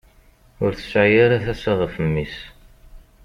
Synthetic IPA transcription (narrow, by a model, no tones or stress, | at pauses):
ʊɾθə̥sːʕajiɾæθæsiʁəfəmːis